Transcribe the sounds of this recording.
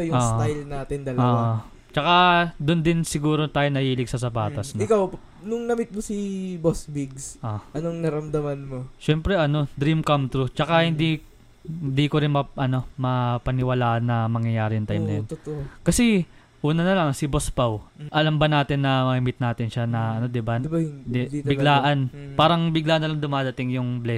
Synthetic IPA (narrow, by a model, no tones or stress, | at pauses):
ojʊoːʔ̪ajlnaːt̪ɪnd̪ɐlɐoːʔao | t͡ʃɐkad̪ʊnd̪ɪnsɪɡuːɾot̪aːjonɐhiːlɪɡsɐsɐbaːt̪ɐsnɪkaw | nʊŋnɐmɪt̪̚mosibosbiɡsʔoʔɐnoŋnɐɾɐmd̪ɐmanmoʃɛmpɾɛʔɐno̞d̪ɾimkɐmt̪ɾut͡ʃɐkahɪnd̪i | nd̪iːkoɾɪnmɐʔɐno̞mɐpɐnɪwɐlaːʔɐnːɐmɐŋjɐjaːɾɪjʊŋt̪ajmnɐjont̪okɐsɛ | ʔuːnɐnɐlɐŋsɪbospawʔɐlɐmbɐnaːt̪ɪnːɐmɐhɪmɪt̪̚naːt̪ɪnʃanɐʔɐno̞d̪ɪbanɪbahɪnd̪d̪ibɪɡɡlaːʔɐnpaːɾɐŋbɪɡlaːʔɐnːɐlɐŋd̪ʊmaːd̪ɐt̪ɪŋjʊŋblɛ